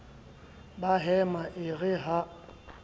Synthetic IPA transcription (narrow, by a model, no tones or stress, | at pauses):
baɦɛmaʔɪɣɪɦa